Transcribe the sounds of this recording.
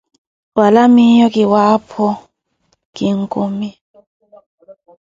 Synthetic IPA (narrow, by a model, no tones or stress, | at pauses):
walamiɲɔk̬ʼiwapʰɔ | kiŋ̩kʼumi